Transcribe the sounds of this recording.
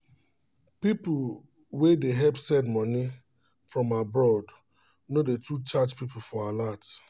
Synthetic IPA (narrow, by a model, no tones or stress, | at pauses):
pip | wedeɦɛbsɛdmɔni | fɹɔ̃mabɹɔd | nodetʰut͡ʃad͡ʒpipl̩fɔalat